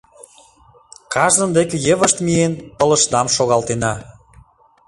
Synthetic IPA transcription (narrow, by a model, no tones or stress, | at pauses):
kɑʒd̪ə̆nd̪ekĕjə̆βə̆ʃt̪mienpə̆lə̆ʃd̪ɑmʃoɣɑlt̪enɑ